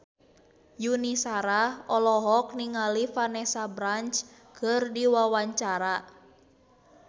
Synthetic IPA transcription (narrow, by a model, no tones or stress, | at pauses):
junisaɾaɔlɔɦɔk̚niŋalifanɛsabɾant͡ʃ | kʰɨrdiwawaɲt͡ʃaɾa